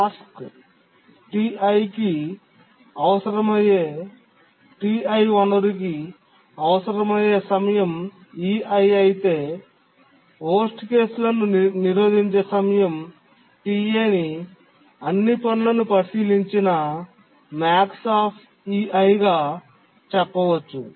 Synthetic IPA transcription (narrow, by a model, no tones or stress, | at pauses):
aːsk | ʈiɐjki | ɐʋɐsɐɾɐmɐjeː | ʈiːɐjʋɐnːɐɾik̬i | ɐʋɐsɐɾɐmɐjeːsɐmɐjɐm | iːɐjɐjit̪e̞ː | ɦoːsʈke̞ːsulɐnuniɾoːd̪ʱiɲt͡ʃe̞ːsɐmɐjɐm | ʈiːeːni | ɐnːipɐnlɐnupɐsiːliɲt͡ʃinɐ | maːksaːpʰ | iɐjɡaː | t͡ʃɛpːɐʋɐt͡ʃːu